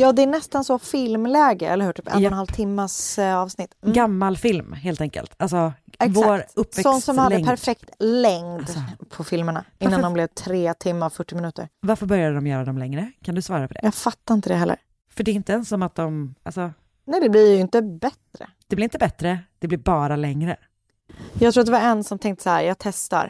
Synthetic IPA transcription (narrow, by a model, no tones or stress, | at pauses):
jɑːd̪ɛæɳɛst̪ansɔfɪlmlɛːɡəʔɛ̰lːəhʉ̟ːʈʰyːpɛnnhalvt̪ʰɪmːasɑːvsnɪt̪ːɡamːalfɪlmɦeːlt̪ɛŋkə̰lt̪alsɔvoːɾɵpːvɛksɔsnsɔmhad̪əɛŋpʰæɾfɛk̚tt̪lɛŋd̪pʰɔfɪlməɳa̰ʔɪnːand̪ɔmblɛvt̪ʰɾeːt̪ʰɪmːafœʈːɪmɪnʉ̟ːt̪ə̰ɾvaɾfœɾbœɾjad̪əd̪ɔmjœːɾad̪ɔmlɛŋɾəkʰand̪ɵsvɑːɾapʰɔd̪ɛ̰jɑːɡfat̪ːaɾɪnt̪əd̪ɛɦɛlːə̰ɾ | fœɖɛʏnt̪əɛnsɔmat̪̚d̪ɔmʔalsɔ | nɛjd̪ɛblɪɾjɵɪnt̪əbɛt̪ɾə̰d̪̥ɛblɪɾɪnt̪əbɛt̪ːɾəd̪̥ɛblɪɾbɑːɾalɛŋɾə | jɑɡt̪ɾuːat̪d̪ɛvaɾɛnsɔmt̪ʰɛŋkt̪ə̥sahæ̰ːɾjɑːɡ̚t̪ʰɛst̪a̰ɾ